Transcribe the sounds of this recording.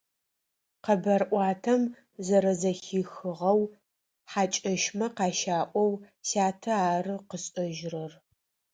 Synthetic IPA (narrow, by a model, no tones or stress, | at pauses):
qɐbɐrʔʷɑːtʰɐm | zɐɾɐzɐxiːxɨʁɐw | ħaːt͡ʃʼɐʃmɐqɑːʃaːʔʷɔwsaːtʰɐaːrɨqəɕʼɐʒrɐr